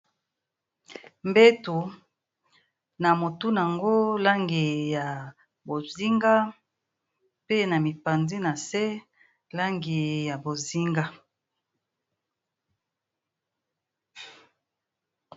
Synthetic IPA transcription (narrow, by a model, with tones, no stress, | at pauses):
mbe˦tu˨ | na˨mo˨tu˦n˨a˨ŋɡo˦la˦ŋɡi˨ja˨ | bo˨zi˦ŋɡa˦ | pe˦na˨mi˨pa˨nzi˦na˨se˦ | la˦ŋɡi˨ja˨bo˨zi˦ŋɡa˦